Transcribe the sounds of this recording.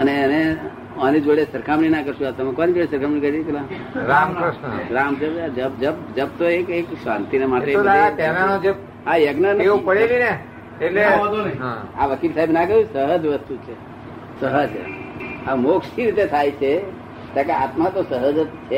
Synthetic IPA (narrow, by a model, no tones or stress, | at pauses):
əneəne | ɔnid͡ʒoɽesəɾkʰamninakəɾʃuat̪əmãkɔnid͡ʒoɽesəɾkʰamnikəɾkla | ɾamɾəʃnəɾamd͡ʒəbd͡ʒəbd͡ʒəb̚d͡ʒəb̚t̪oekeksʋãnt̪inemaʈeoaat̪ɛnanod͡ʒeb̚ | ɦãjəɡnaneopəɽeline | elẽod̪oniɦãaʋəkilsaːɦibnak̬əɦusəɦəd͡ʒʋəst̪ut͡ʃʰe | səɦəd͡ʒ̰ | amoksiɾit̪et̪ʰajt͡ʃʰe | t̪akeaːt̪mat̪osəɦəd͡ʒt̪t͡ʃʰe